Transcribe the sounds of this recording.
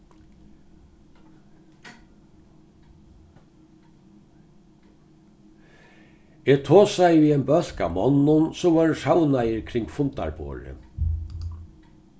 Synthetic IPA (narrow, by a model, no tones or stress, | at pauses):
eːt̪ʰoːsæɪʋiːɛnbœl̥ka̰mɔnːʊnsɔːʋaːɹʂawnajəɾkʰɾɪŋɡfʊnt̪a̰ɹbo̰ːɾə̰